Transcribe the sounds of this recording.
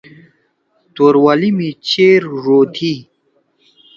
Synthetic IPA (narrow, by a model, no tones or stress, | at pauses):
t̪oɾwalimit͡ɕeːɾɾot̪ʰi